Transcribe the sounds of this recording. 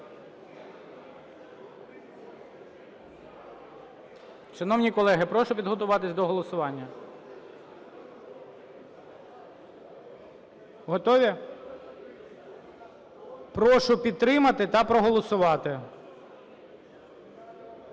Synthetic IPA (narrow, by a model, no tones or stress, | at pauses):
ʃɐnɔwnʲikɔlˠɛɦɪpɾɔʃʊpʲid̪ɦɔt̪ʊʋɑt̪ɪsʲd̪ɔɦɔlˠɔsʊʋɑnʲːɐ | ɦɔt̪ɔʋʲi | pɾɔʃʊpʲid̪̚t̪ɾɪmɐt̪ɪt̪ɐpɾɔɦɔlˠɔsʊʋɑt̪ɪ